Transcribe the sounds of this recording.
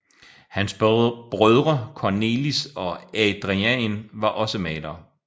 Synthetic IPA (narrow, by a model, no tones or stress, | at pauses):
hænsb̥b̥ʁœðˠʁɐkʰɒne̝̰ːlisɒ̽æd̥ʁiænʋɑ̈ʔɒ̽səmɛ̰ːd̥ɐ